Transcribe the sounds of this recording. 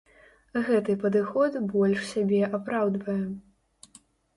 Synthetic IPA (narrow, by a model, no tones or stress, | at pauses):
ɣɛt̪ɨpɐd̪ɨxɔt̪bɔlʲʂsʲabʲɛʔapɾawd̪vɐjɛ